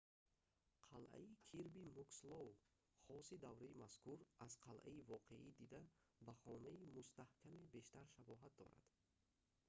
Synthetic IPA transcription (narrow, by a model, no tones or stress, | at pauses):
qʰalʔa̰ikʰiɾbimukslɔw | χɔsid̪avɾaimaskuɾaz̥qʰalʔa̰ivɔqʰe̞̰ʔid̪id̪a | baχɔnaimust̪ahkʰamebe̞ʃt̪aɾʃabɔɦat̪̚d̪ɔ̰ɾa̰d̪̥